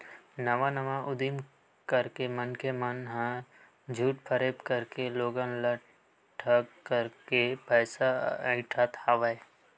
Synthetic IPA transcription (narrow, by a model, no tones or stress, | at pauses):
nəʋanɐʋaʔʊd̪im | kəɾkemənkemənɦã | d͡ʒʱuːʈpʰəɾepkəɾkeloːɡanlə | ʈʰəkkːəɾkepɛːsaəɪʈʰat̪haːʋae